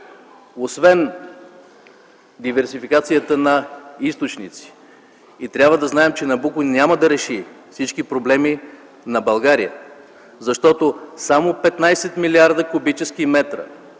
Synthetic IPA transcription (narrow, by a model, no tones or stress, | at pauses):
osvɛn | d̪ivɛɾsifikat̪sijət̪ənɐist̪ot͡ʃnit̪si̥ | it̪ɾʲabvəd̪ɐznaɛmt͡ʃɛnɐbukʊnʲaməd̪ɐɾɛʃifsit͡ʃkipɾoblɛmi | nɐbɐlˠɡaɾijə̰ | zɐʃt̪ɔt̪osamopɛt̪najsɛt̪miliaɾd̪əkʊbit͡ʃɛskimɛt̪ɾə̰